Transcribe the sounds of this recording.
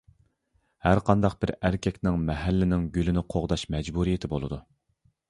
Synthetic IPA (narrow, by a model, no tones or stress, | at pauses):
hæɾqʰɑnd̪ɑq̚b̥ɪɾæɾkʲʰɛkʲnɪŋmɛɦælːɪnɪŋɡʲylɪnɪqʰoʁd̪ɑʃmɛd͡ʒbuɾijet̪ʰɪbolˠɨ̰d̪u